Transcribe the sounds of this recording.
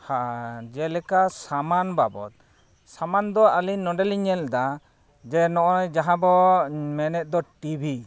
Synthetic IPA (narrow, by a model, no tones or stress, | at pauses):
had͡ʒɛlɛkasamanbabɔ̰t̪̚ | samand̪ɔalinːɔɖɛliɲɛld̪a | d͡ʒɛnɔʔɔjd͡ʒaɦãbɔmɛnɛt̪̚d̪ɔʈibʱi